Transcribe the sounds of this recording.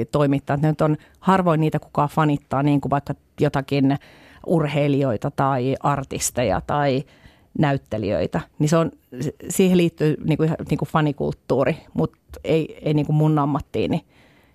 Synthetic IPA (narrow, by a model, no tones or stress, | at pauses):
t̪oimit̪ːɑːt̪nenyt̪on | hɑrʋoiniːt̪æku̥kɑːfɑnit̪ːɑːniːŋkuʋɑikːɑ | jot̪ɑkin | urheilioit̪ɑt̪ɑiʔɑrt̪ist̪ejɑ̰t̪ɑi | næyt̪ːelḭø̰it̪æniseonssiːheliːt̪ːyːniːŋkuiniːŋkufɑnikṵlt̪ːuːrimut̪eieiniːŋkummunːɑmːɑt̪ːḭːni